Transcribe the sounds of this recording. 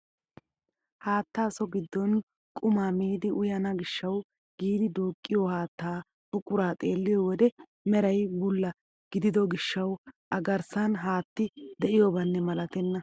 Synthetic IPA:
haːt̪ːaːsɔɡɪd̪ːɔn | kʼʊmaːmiːd̪ɪʔʊjɐnɐɡɪʃːɐw | ɡ̥iːd̪ɪd̪uːkʼːɪjɔhaːt̪ːaː | ʊkʼːʊɾaːt̪ʼe̞ːlːɪjɔwɔd̪ɛ | mɛɾɐjbʊlːɐ | ɡ̥ɪd̪ɪd̪ɔɡɪʃːɐwʔɐɡɐɾsɐnɦaːt̪ːɪd̪ɛʔɪjobɐnːɛmɐlɐt̪ɛnːɐ

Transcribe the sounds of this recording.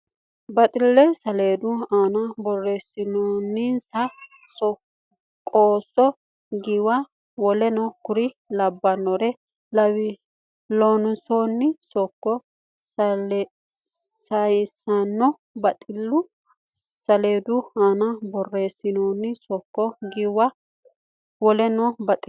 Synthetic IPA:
bɐt̪ʼɪlːɛsɐle̞ːd̪ʊaːnɐbɔrːeːsːɪnoːnːinsɐ | sɔ | kʼoːsːɔ | ɡɪwa | wɔlɛnɔkʊɾɪ | lɐbːɐnːɔɾɛ | lɐw | lonʊsonːɪsɔkːɔ | s | sɐjsɐnːɔ | bɐt̪ʼɪlːʊ | sɐleːd̪ʊanɐbɔrːe̞ːsːɪnoːnːɪsɔkːɔɡɪwɐ | wɔlɛnɔbɐt̪ʼɪ

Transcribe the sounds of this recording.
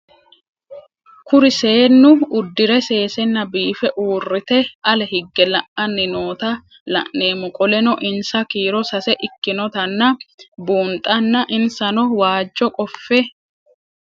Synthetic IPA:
kʊɾɪse̞ːnːʊʊd̪ːɪɾɛse̞ːsɛnːɐbiːfɛʔuːrːɪt̪ɛʔɐlɛhɪɡːɛlɐʔɐnːɪno̞ːt̪ɐ | lɐ̰ʔneːmʊkʼɔlɛnɔʔɪnsɐkiːɾɔsɐsɛʔɪkːɪnɔt̪ɐnːɐbuːnt̪ʼːɐnːɐʔɪnsɐnɔwaːd͡ʒːɔkʼɔfːɛ

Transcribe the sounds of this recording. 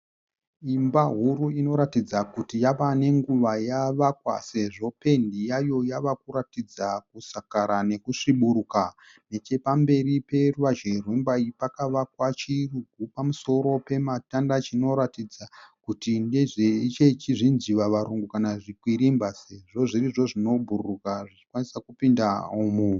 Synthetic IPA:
imbaɦuɾuino̞ɾatid͡zakutijaʋane̞ŋɡuʋajaʋakwa̰se̞ʐo̞pe̞ndijajo̞jaʋakuɾatid͡zakusakaɾane̞kuʂiɓuɾuka | ne̞t͡ʃe̞pambe̞ɾipe̞ruʋaʒirwimbaipakaʋakwat͡ʃiruɡʱupamuso̞ɾo̞pe̞matandat͡ʃino̞ɾatid͡zakutindeʐet͡ʃe̞t͡ʃiʐinziʋaʋaɾuŋɡukanaʐikwiɾimbase̞ʐo̞ʐiriʐo̞ʐino̞bʱurukaʐit͡ʃi̥kwanisakupindaumu

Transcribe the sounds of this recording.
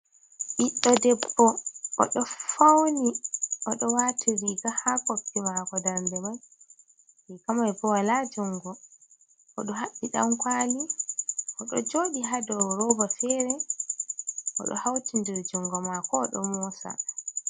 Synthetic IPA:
ʔiɗːɔdɛbːɔʔːɗɔfawniɔɗɔwatʰiɾiɡahakoftimakɔdaɾndɛman | ikamajbɔwalad͡ʒɔŋɡɔ | ʔɔɗɔɦaɓːiɗa̰mkwaliʔɔɗɔ̰d͡ʒoːɗiɦadɔɾɔbɔfɛɾɛ | ʔɔ̰ɗɔ̰hawtindiɾd͡ʒɔŋɡɔmakɔːɗɔ̰mɔːsa̰

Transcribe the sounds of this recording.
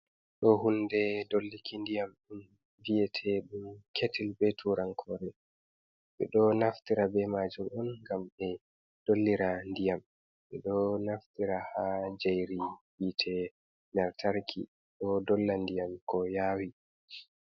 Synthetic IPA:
ɗɔɦundɛdolːikindijamɗum | vijɛtʰɛɗumkʰetilbɛtʰuɾaŋkʰɔɾɛ | ɓɛ̰ɗɔnaftiɾabɛmad͡ʒuɗɔnŋɡamɛ | d̥olːiɾandijam | ɓɛɗɔnaftiɾahad͡ʒajɾiwitʰɛ | naɾtʰaɾkʰḭ | ɗɔdɔlːandijamkɔjaːwi

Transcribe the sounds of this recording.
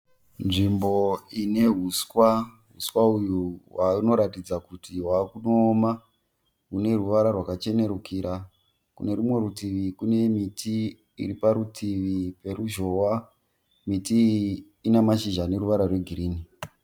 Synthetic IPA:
nʐimbo̞ine̞ɦuskwa | ɦuswaujuwauno̞ɾatid͡zakutiɦwakunoːma | ɦune̞ruʋaɾarwakat͡ʃe̞ne̞ɾukiɾa | kṵne̞ɾumwe̞ɾutiʋikune̞mitʰḭː | ɾipaɾutʰiʋipe̞ɾuʒo̞wa | mitiː | namaʃiʒane̞ɾuʋaɾarwe̞ɡʱiɾiːni

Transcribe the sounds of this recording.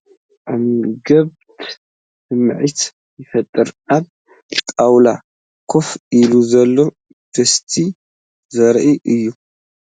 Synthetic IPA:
ʔamɡɐβt̪ | sɨmʕit̪ | jɪfɐt̪ʼːɨɾʔal | t̪ʼawla | kʰo̞fʔiluzɐlːo̞ | b̥ɐst̪ʰi | zɐɾʔiʔɨjːu

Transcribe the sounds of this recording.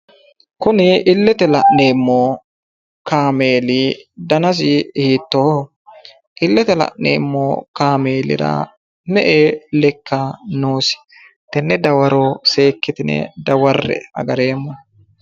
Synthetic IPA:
kʊnɪɪlːɛt̪ɛlɐʔne̞ːmːoː | kaːme̞ːliːd̪ɐnɐs̬ɪhiːt̪ːo | ʔɪlːɛt̪ɛlɐ̰ʔnḛːmːoːkaːme̞ːlɪ̰ɾɐ̰ː | mɛʔeːlɛkʰːanuːsɪ̥ | t̪ɛnːɛd̪ɐwɐɾoːse̞ːkːɪt̪ɪnɛ̰d̪ɐwɐrːɛ̰ɐ̰ɡɐɾe̞ːmːɔ

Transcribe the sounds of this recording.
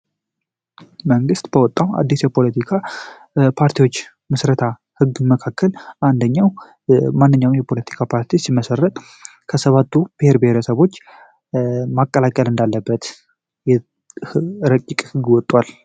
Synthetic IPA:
məŋɡɨst̪bəwɔt̪ʼːawa̰d̪ːisjɛpʰo̞lət̪ʰikʰa | pʰaɾt̪ʰijwo̞t͡ʃː | mɨsɾət̪ʰa | hɨɡːməkʰakːəlʔand̪əɲːaw | manːɨɲːawmjɛpʰo̞lət̪ʰi̥kʰapʰaɾt̪ʰisimːəsərːət̪ʼ | kʰəsəβat̪ʰːub̥ɪheɾbɪheɾəsəβo̞t͡ʃː | makʼːəlakʼəlɨnd̪alːəbːət̪ | jɛ | ɾəkʼːikʼhɨɡwɔt̪ʼːwal

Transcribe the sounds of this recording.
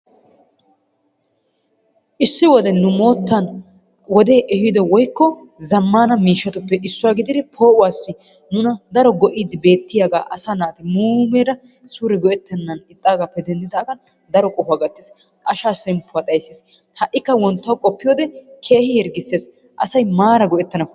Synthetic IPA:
ʔɪsːɪwɔd̪ɛnʊmo̞ːt̪ːɐn | wɔd̪e̞ːʔɛhɪd̪ɔwɔjkːɔ | zɐmːaːnɐmiːʃːɐt̪ʊpːɛʔɪsːʊwaːɡɪd̪ɪd̪ɪpʰo̞ːʔʊwaːsːɪ | nʊnɐd̪ɐɾɔɡɔʔiːd̪ɪbe̞ːt̪ːɪjaːɡa̰ːʔɐsanaːt̪ɪmuːmeːɾɐ | suːɾɛɡɔʔɛt̪ːɛnːɐnɪt̪ʼːaːɡaːpːɛd̪ɛnd̪ɪt̪aːɡɐn | d̪ɐɾɔkʼɔfʊaːɡɐt̪ːɪs | ʔɐʃaːsɛmpːʊwaːt̪ʼɐjsːeːs | hɐʔːɪkːɐwɔnt̪ːɐwkʼɔpːɪjoːd̪ɛkʰe̞ːhɪjɛɾɡɪsːeːs | ʔɐsɐjmaːɾɐɡɔʔɛt̪ːɐnɐkː

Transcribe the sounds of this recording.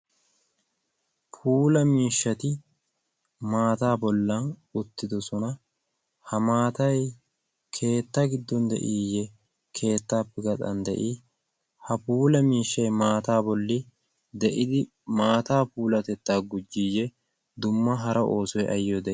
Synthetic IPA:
pʰuːlɐmiːʃːɐt̪ɪ | maːt̪aːbɔlːɐnʊt̪ːɪd̪ɔsɔnɐ | hɐmaːt̪ɐj | kʰe̞ːt̪ːɐɡɪd̪ːɔnd̪ɛ̰ʔiːjɛ | kʰe̞ːt̪ːaːpːɛɡɐt̪ʼɐ̰nd̪ɛ̰ʔiː | hɐpuːlɐmiːʃːɐjmaːt̪aːbɔlːɪ | d̪ɛʔɪd̪ɪ | maːt̪aːpuːlɐt̪ɛt̪ːaːɡʊd͡ʒːijːɛ | d̪ʊmːɐɦɐɾɐʔo̞ːsɔjʔɐ̰jːod̪ɛʔ

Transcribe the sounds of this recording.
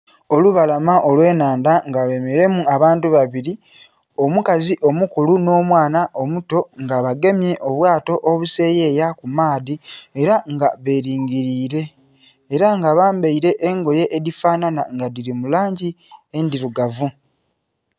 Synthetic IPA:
o̞luβalamaʔo̞lwe̞ːnaːndaŋɡalwe̞meɾe̞muaβaːntuβaβiɾi | o̞mukaziʔo̞mukuluno̞ːmwaːnaʔo̞muto̞ŋɡaβaɡe̞mje̞ʔo̞βwaːto̞ʔoβuse̞ːje̞ːjakumaːðieɾaŋɡaβe̞ːɾiːŋɡiɾiːɾe̞ː | ɾaŋɡaβaːmbeiɾe̞ʔːŋɡo̞je̞ʔeðifaːnana̰ŋɡadiɾimulaːɲɟi | endiɾuɡavu

